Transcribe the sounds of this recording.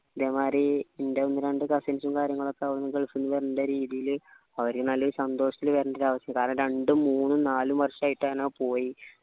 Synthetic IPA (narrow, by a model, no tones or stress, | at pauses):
iðeːmaːɾiende̞onːɨɾeɳɖɨkɐsensumkaːɾjɐŋːɐɭo̞kːeʋɐɾnːɨkeɭkːunːuʋeːɾnɐɳɖɐɾiːðijil | ɐʋɐɾkːɨnɐlːoɾusɐnd̪oːʂɐt̪ːilʋeːɾɐnɖiɾaːʋɐsɐjmkaːɾɐɳɐmɾe̞ɳɖɨmuːnːɨnaːlumʋɐrʂɐaːjiʈːaːnapo̞ːji